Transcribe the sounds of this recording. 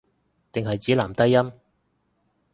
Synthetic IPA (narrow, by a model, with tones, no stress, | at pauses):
t̪ɪ˨ŋɦɐ˨jt͡siː˨˥laː˨˩mt̪ɐ˥jːɐ˥m